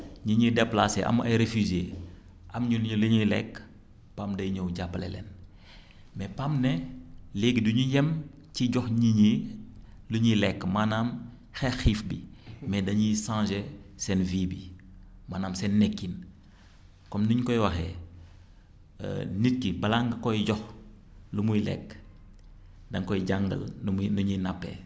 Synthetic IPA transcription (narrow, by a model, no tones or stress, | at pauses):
ɲiɲidɛplaseʔɐ̰mɐ̰jɾefyzeː | ʔɐmɲulɲuluɲilɛ̰kː | paːmdɐjɲɔwɟapːlɛ̰lɛ̰n | mɛpamnɛleɡiduɲujɛm | ciɟɔxɲiɲi | luɲilɛkːmanaːm | xɛxiːfbḭmɛdɐɲisãːʒɛsɛnviːbimaːnaːmsɛnːɛkːin | kɔmnuɲkɔjwɐxɛ̰ | nit̚kibɐlaŋɡɐkɔjɟɔx | lumujlɛ̰kː | dɐŋkɔjɟaŋɡɐ̰lnuɲinapːɛ̰